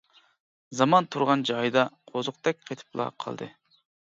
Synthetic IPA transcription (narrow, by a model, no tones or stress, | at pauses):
zɑmɑnt̪ʰuɾʁɑnd͡ʒɑjd̪ɑqʰozʊq̚t̪ɛk̚ʲqʰet̪ʰɨ̥plˠɑ̰qʰɑ̰lˠd̪ɨ̰